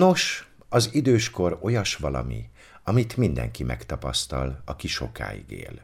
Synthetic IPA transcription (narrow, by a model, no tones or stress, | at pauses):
no̞ʃ | ɒzid̪øːʃko̞ɾo̞jɒʃʋɒlɒ̰mi | ɒmit̪mind̪ɛ̰ŋkimʔɛkt̪ɒpɒst̪ɒlɒkiʃo̞̰ka̰ːjḭɡḛːl